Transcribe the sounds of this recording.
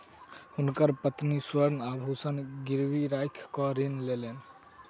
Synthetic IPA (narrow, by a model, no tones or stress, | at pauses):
hunkəɾpət̪niswəɾnabʱusənɡiɾʋiɾajkʰkɔɾinlelen